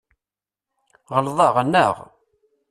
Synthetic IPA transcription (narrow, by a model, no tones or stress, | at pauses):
ʁəlðˤɑʁənːə̰ʁ